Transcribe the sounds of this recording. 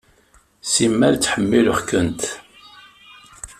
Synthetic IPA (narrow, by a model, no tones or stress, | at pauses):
simːælt͡sːħəmːilʊχkənt̪